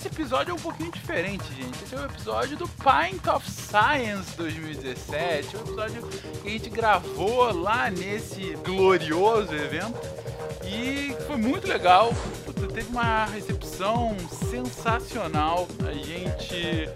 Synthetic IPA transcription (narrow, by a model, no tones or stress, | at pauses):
esɪepizɔd͡ʒʊɛũpokĩɲʊd͡ʒifeɾẽnt͡ʃɪʒẽt͡ʃɪesɛʊ̃epizɔd͡ʒʊd̪ʊpaj̪̃t̪ɔfsajɐ̃sd̪ojzmiwid͡ʒɪzesɛt͡ʃɪũepizɔd͡ʒʊkɪɐʒẽnt͡ʃɪɡɾavolanesɪɡloɾiozʊevẽnt̪ʊ | ɪkɪfojmũj̃t̪ʊleɡawput̪ɐt̪evɪũmɐɦesepsɐ̃w̃sẽsasionawa̰ʒẽt͡ʃɪ